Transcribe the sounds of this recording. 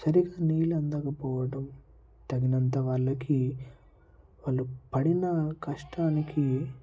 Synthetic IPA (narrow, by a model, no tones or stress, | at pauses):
sɐɾiɡaːniːlɐnd̪ɐkɐpɔːʋɐʈɐm | t̪ɐɡinɐnt̪ɐʋɐɭːɐki | ʋaːɭːupɐɽinɐkʰɐʂʈaːniki